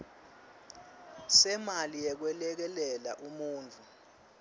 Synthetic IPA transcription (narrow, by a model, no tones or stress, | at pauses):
sɛmalijɛk̬wɛlɛk̬ɛlɛlaʔumuːnt͡fʰu